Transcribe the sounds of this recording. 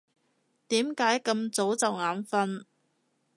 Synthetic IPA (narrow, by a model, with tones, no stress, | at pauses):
t̪iː˨˥mkaː˨˥jkɐ˧mt͡so˨˥wt͡sɐ˨wŋaː˨˥nfɐ˥n